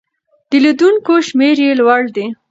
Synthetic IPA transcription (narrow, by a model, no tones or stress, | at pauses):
d̪̥əlad̪uŋkoʃmeɾjelwaɽd̪i